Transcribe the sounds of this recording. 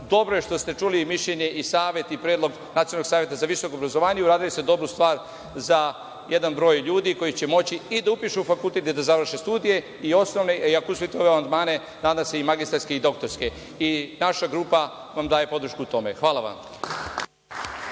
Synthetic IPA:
d̪o̞bɾoje̞ʃt̪o̞st̪e̞t͡ʃulimiʃʎe̞ɲe̞ʔisaːʋje̞t̪ipɾjeːd̪lo̞ɡ | nat̪ionoɡsaːʋjet̪azaʋisokobɾazoʋaːɲeuɾaːd̪iloesed̪o̞bɾust̪ʋaːɾ | za | je̞d̪anbɾo̞ːjʎuːd̪iko̞jit͡ɕe̞mo̞t͡ɕiid̪aupiʃuufakulˠt̪et̪ed̪azaʋr̩ʃest̪uːd̪ije̞ | io̞sno̞ʋne̞iakousʋit̪eo̞ʋeamand̪maːne̞ | naːd̪amseimaɡist̪alske̞id̪o̞kt̪o̞ɾske | inaʃaɡɾuːpa | ʋamd̪aːje̞po̞d̪ɾ̩ʃkuut̪o̞me̞xʋaːlaʋa̰m

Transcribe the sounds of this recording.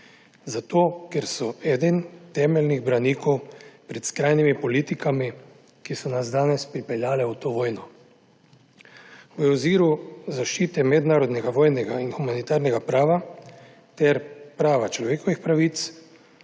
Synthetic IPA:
zat̪oːkɛɾsɔɛd̪ɛnt̪ɛːmɛlniɣbɾaniːkɔwpɾɛt̪skɾaːjnimipɔliːt̪ikami | kisɔnasd̪aːnɛspɾipɛljaːlɛwt̪oːʋoːjnɔ | wəɔziːɾuzaʃt͡ʃiːt̪ɛmɛd̪naːɾɔd̪nɛɡaʋoːjnɛɡainxumanit̪aːɾnɛɡapɾaːʋa | t̪ɛɾpɾaːʋat͡ʃlɔʋeːkɔʋixpɾaʋiːt̪s

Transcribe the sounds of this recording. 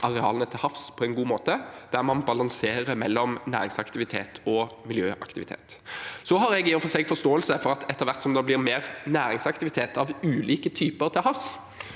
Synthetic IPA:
ʔɑʁɛɑ̰ːlənət̪ʰɪlhɑfspʰɔɛnɡuːmoːt̪əd̪̥æʁmɑnbɑlɑŋseːɾəmɛ̰lːɔmnæ̰ːɾɪŋsɑkt̪ɪʋɪt̪ʰḛːt̪ʰɔmɪljøːʔɑ̰kt̪ɪʋɪt̪ʰḛːt̪sɔɦɑɾɛɡɪʊfɔseɡfɔʁst̪oːəlsəfɔɾɑt̪ʰɛt̪ːəʁʋæʁt̪sɔmd̪ɑblɪʁmeːʁnæːɾɪŋsɑkt̪ɪʋɪt̪ʰeːt̪ʰɑʋʉːliːkət̪ʰyːpəʁt̪ʰɪlhɑfs

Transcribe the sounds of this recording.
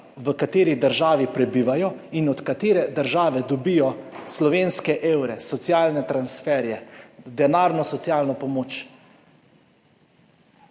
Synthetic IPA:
ʋəkat̪eːɾid̪əɾʒaːʋipɾɛbiːʋajɔinɔt̪kat̪eːɾɛd̪əɾʒaːʋɛd̪ɔbijɔslɔʋeːnskɛʔeːwɾɛsɔt̪sjaːlnɛt̪ɾansfɛːɾjɛd̪ɛnaːɾnɔsɔt̪sjaːlnɔpɔmoːt͡ʃ

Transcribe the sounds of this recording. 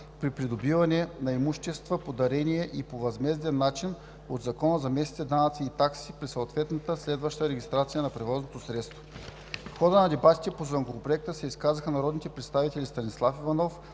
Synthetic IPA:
pɾipɾid̪obivɐnɛnɐimuʃt̪ɛst̪vəpod̪ɐɾɛniɛʔipovɐzmɛzd̪ɛnːat͡ʃin | od̪zɐkɔnəzɐmɛst̪i̥t̪ɛd̪anɐt̪siːt̪aksipɾisoːt̪vɛt̪nɐt̪əslɛd̪vɐʃt̪əɾɛɡʲist̪ɾat̪sijənɐpɾɛvɔznot̪osɾɛt̪st̪vo | xɔd̪ənɐd̪ɛbat̪i̥t̪ɛpozvəŋkovopɾoɛk̚t̪əsɛiskazəxənɐɾɔd̪nit̪ɛpɾɛt̪st̪avit̪ɛlʲist̪ɐnislˠafivɐnɔf

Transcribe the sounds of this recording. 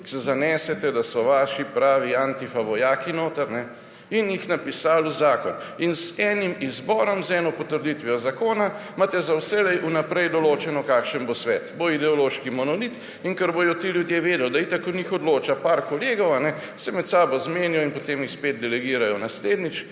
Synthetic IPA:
sɛzanɛːsɛt̪ɛd̪asɔʋaːʃipɾaːʋiant̪ifaʋɔjaːkinoːt̪əɾnɛ | injixnapisaːluzaːkɔn | inzɛnimizbɔːɾɔmzɛnɔpɔt̪əɾd̪it̪ʋɛjɔzakoːnamat̪ɛzawsɛlɛjʔunapɾɛjd̪ɔloːt͡ʃɛnɔkakʃənbosʋɛːt̪boid̪ɛɔloːʃkimɔnɔlit̪ | iŋkəɾbojɔt̪iljud̪jeʋeːd̪ɛld̪ait̪akɔnixɔd̪loːt͡ʃapaɾkoleːɡɔwanɛ | sɛmɛt̪saːbɔzmeːnjɔinpot̪eːmjixsped̪̚d̪ɛlɛɡiːɾajɔnasleːd̪nit͡ʃ

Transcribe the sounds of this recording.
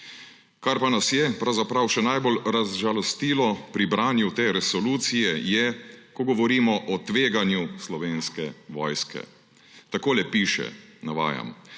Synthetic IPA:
kaɾpanasjɛpɾawzapɾawʃɛnajbolɾazʒalɔst̪iːlɔpɾibɾaːnjut̪eːɾɛsɔluːt̪sijɛjɛkɔɡɔʋɔɾiːmɔʔɔt̪ʋeːɡanjuslɔʋeːnskɛʋɔːjskɛ̰ | t̪akoːlɛpiːʃɛ̰naʋa̰ːja̰m

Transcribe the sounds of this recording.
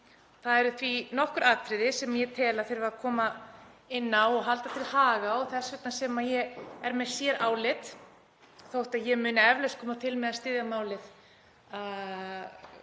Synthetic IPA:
θaðɛɾʏθvinɔhkʏɾaːt̪ʰɾɪðɪsɛmajɛt̪ʰɛːlaθfeɾvɾaðkʰɔːma | ɪnːawɔɣɦalt̪at̪ʰɪlhaːɣaɔθɛsvɛt̪nasɛmajɛɣɛɾmɛðsjɛɾʔaːwlɪt̪ | θowht̪aðjɛmʏːnaɛvlɛskʰɔːmat̪ʰɪlmɛðast̪ɪːðjamaːwlɪθ | a

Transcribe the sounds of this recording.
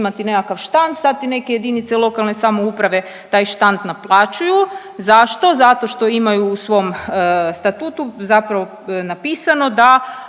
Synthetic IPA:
mat̪ine̞kakaʋʃt̪ant̪sat̪ːine̞ke̞je̞d̪init̪selˠo̞kalˠne̞samo̞upɾaʋe̞ | t̪aːjʃt̪ant̪naplˠaːt͡ʃuju | zaʃt̪o̞zat̪o̞ʃt̪o̞imajuːsʋo̞mst̪at̪ut̪uzapɾaʋo̞ | napiːsano̞d̪a

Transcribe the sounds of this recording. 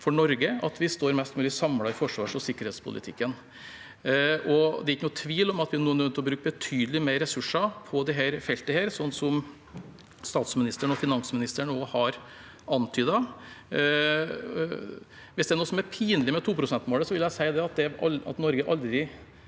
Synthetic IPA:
fɔɳɔɾɡəɑt̪ʰʋɪst̪oːɾmɛst̪mʉːlɪsɑmlɑɾfɔʂʋɑːʂɔsɪkːəɾhɛːt̪spʰʊ̰lʔɪ̰t̪ʰɪkːən | ɔd̪ɛɾɪkːənuːt̪ʰʋiːlɔmɑt̪ʋɪænuːənœnt̪ɔbɾʉːkəbət̪ʰyːd̪əlɪmeɪɾɛsʉʂɑpʰɔd̪ɪɦæːɾfɛlt̪əheːɾsɔnːsɔm | st̪ɑːt̪smɪnɪst̪əɳɔfɪnɑnsmɪnɪst̪əɳoːhɑɾ | ɑnt̪ʰyːd̪ɑ | ʋɪsd̪ɛæɳuːəsɔmæɾpʰiːnlɪmɛt̪ʰuːpʰɾʊsɛnt̪moːləsɔʋɪljæɪsæɪd̪ɛɑt̪̚d̪ɛɑ̰t̪nɔɾɡəʔɑld̪ɾɪ

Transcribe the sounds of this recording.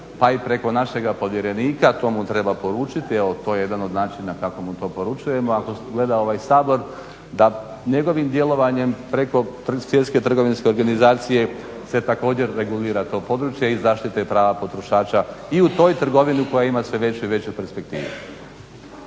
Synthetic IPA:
paipɾe̞ko̞naʃe̞ɡapo̞ʋje̞ɾe̞niːkat̪o̞ːmut̪ɾe̞bapo̞ɾuːt͡ʃit̪ieʋot̪o̞ːjeje̞d̪ano̞d̪naːt͡ʃinakako̞mit̪o̞ːpo̞ɾut͡ʃuje̞mo̞ako̞ɡle̞d̪ao̞ʋajsaːbo̞ɾ | d̪a | ɲe̞ɡo̞ʋimd̪je̞lˠo̞ʋaɲe̞mpɾe̞ko̞sʋje̞t̪ske̞t̪r̩ɡo̞ʋinske̞o̞ɾɡanizaːt̪sije̞ | se̞t̪ako̞ːd͡ʑe̞ɾːe̞ɡuliːɾat̪o̞ːpo̞d̪ɾut͡ʃjeizaːʃt̪it̪eipɾaːʋapo̞t̪ɾo̞ʃaːt͡ʃaiut̪o̞ːjt̪r̩ɡo̞ʋiniuko̞jaimasʋe̞ʋe̞t͡ɕuiʋe̞t͡ɕupeɾspe̞k̚t̪ḭːʋṵ

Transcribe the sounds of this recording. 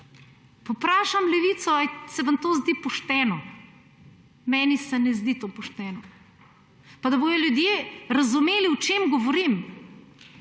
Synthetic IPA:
pɔpɾaːʃamlɛʋiːt̪sɔajsɛʋɐmt̪oːzd̪ipɔʃt̪ɛːnɔ | mɛːnisɛnɛzd̪it̪opɔʃt̪ɛːnɔ | pad̪ɐboːjɔljud̪jeːɾɐzumeːliwt͡ʃemɡɔʋɔɾim

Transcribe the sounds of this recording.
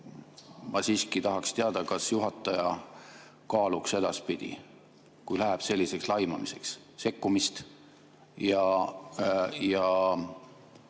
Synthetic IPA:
mɑsiːskit̪ɑɦɑkst̪eɑd̪̥ɑkɑsjuɦɑt̪ːˑɑjɑ | kɑːlukse̞d̪̥ɑspid̪̥ḭ | kujlæɦɛb̥se̞lʲːise̞kslɑjmɑmise̞ks | se̞kːumist̪ | jɑ | jɑ

